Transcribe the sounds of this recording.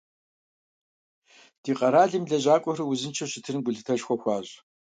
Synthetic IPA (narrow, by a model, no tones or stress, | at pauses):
d̥iːqʼɐɾaːɮimɮɐʑaːkʷʼɔrɨwzɨnt͡ʃʰɐɕɪtʰɨrɡʷʊɮɨtʰɐʒxʷɔxʷɑːʑ